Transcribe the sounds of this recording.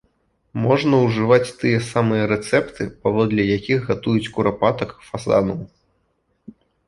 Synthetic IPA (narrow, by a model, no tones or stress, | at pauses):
mɔʐnɐwʐɨvat͡sʲt̪ɨjɛsamɨjɐɾɛt̪sɛpt̪ɨpavɔd̪lʲɐjakʲiɣɣat̪ujut͡sʲkuɾapat̪ɐkfaza̰nuw